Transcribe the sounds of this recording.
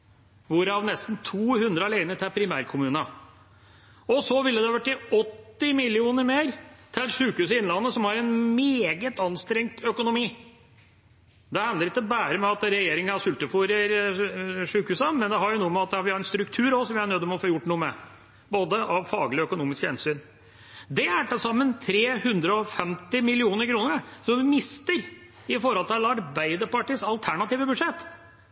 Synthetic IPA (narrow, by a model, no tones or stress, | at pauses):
ʋʊɾɑʋnɛst̪n̩t̪ʰuːhʉnd̪ɾəɑleɪnət̪ʰɛpʰɾɪmæːɾkʰʊmʉːnɑ | ɔsɔʋɪlːəd̪ɛhɑʋæʈːɪɔt̪ːɪmɪlɪuːnəɾmeːɾt̪ʰɪlʂʉːkhʉːsɪnlɑnːəsɔmhɑɾɛnmeːɡət̪ɑnst̪ɾɛŋt̪ʰœkʊnʊmiː | d̪ɛhɑnd̪əɾɪt̪ːəbæːɾəmɛɑt̪ɾɛjeːɾɪŋɑɑʂʉlt̪əfuɾəɾ | ʂʉːkhʉːsəmɛnd̪ɛɦɑɾjʊnuːəmɛɑt̪̚d̪ɛhɑɾʋɪhɑɾɛnst̪ɾʉkt̪ʰʉːɾɔsɔmʋɪæɳœd̪ːɔmɛɔfoːjʊʈːnuːəmɛ | boːd̪əʔɑʋfɑːɡlɪœkʊnuːmɪskhɛ̰nsyːn | d̪ɛæʈɛsɑmːənt̪ʰɾeːhʉnd̪ɾəɔfɛmt̪ɪmɪlɪuːnəɾkʰɾuːnəɾsɔmʋɪmɪst̪əɾ | ɪfɔɾhɔlt̪ʰɪlɑɾbæɪd̪əɾpɑʈiːsɑlt̪ʰæɳɑt̪iːʋəbʉd̪ʂɛt̪ː